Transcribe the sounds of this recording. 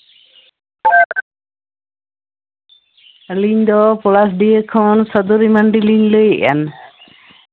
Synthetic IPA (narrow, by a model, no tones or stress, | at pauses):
liɲd̪ɔpɔlas̬ɖijəkʰɔ̃nsəd̪uɾimanɖiliɲləjəʔa̰n